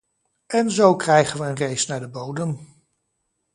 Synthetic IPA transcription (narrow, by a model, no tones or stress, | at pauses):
ɛnzowkrɛjχənʋəənrejsnaːɹdəbowdəm